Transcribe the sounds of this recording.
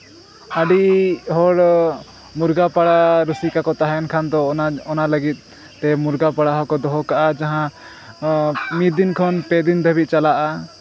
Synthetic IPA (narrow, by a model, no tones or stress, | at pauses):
aɖiɦɔɽ | muɾɡapaɽaɾusikakɔt̪aɦɛnkʰand̪ɔɔnaləɡit̪̚ː | ɛmuɾɡapaɽaɦɔkɔd̪ɔɦɔkaʔad͡ʒaɦã | mid̪inkʰɔnpɛd̪ind̪ʱəbit̪̚t͡ʃalaʔa